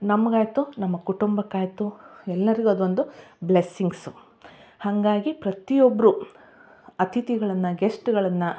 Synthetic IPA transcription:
nɐmːɐɡaːjt̪unɐmːɐkuʈumbɐkːaːjt̪uɛlːɐɾiɡuɐd̪uond̪ublesiŋɡsu | hɐŋɡaːɡipɾɐt̪ijobːɐɾu | ɐt̪ʰit̪iɡɐɭɐnːɐɡesʈɡɐɭɐnːɐ

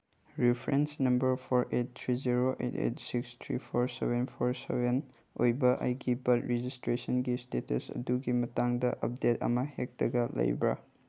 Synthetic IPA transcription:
ɾipʰɾensnɐmbɐɾpʰoɾet̚tʰɾiziɾoʔḛtḛtsikstʰɾipʰoɾsebenpʰoɾsḛben | ojbɐʔajɡibɐtɾed͡ʒistɾesɔnɡistetɐsɐ̰duɡimɐtaŋdɐʔɐ̰p̚detɐ̰mɐhek̚d̥ɐɡɐlɐ̰jbɾa̰

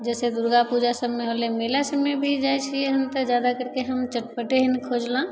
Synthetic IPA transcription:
d͡ʒɛsed̪uɾɡapud͡ʒasəbmeɦolemelasəbmːebʱid͡ʒajt͡ʃʰieɦəmt̪əd͡ʒjad̪akəɾkeɦəmt͡ʃəʈpəʈeɦənikʰod͡ʒlã

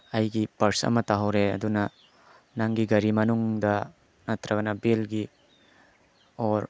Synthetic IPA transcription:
ɐjɡipɐɾsɐ̰mɐtaɦɐwɾeɐ̰dunɐ | naŋɡiɡɐɾimɐnuŋdɐ | nɐt̪ɾɐɡɐnɐbelɡi | oɾ

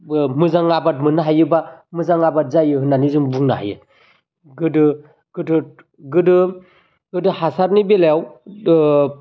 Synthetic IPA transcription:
ɯmɯzaŋabat̚mɯnaɦajɯbamɯzaŋabat̚zajɯɦɯnanizɯmbuŋna̰ɦa̰jɯ̰ | ɡɯdɯ | ɡ̥ɯdɯ | ɡɯdɯ | ɡɯdɯhasaɾnibeleaw

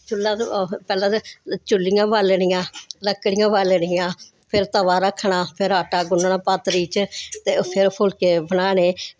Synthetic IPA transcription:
t͡ʃʊlːãːpɛːlãːt͡ʃʊlːɪjãːbaːleːɽ̃ɪjãːləkːɽɪjãːbaːleːɽɪjãː | pʰɪɾt̪əʋaːɾəkʰːɳaːpʰɪɾaːʈaːɡʊnɳãːpaːt̪ɾiːt͡ʃt̪eːpʰɪɾpʰʊlkeːbənaːɽeː

